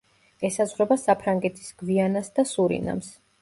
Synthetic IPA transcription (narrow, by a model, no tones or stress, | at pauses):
ɛsazʁɾɛbasapʰɾaŋɡɛt̪ʰi̥sɡ̥vianasd̪asuɾḭna̰ms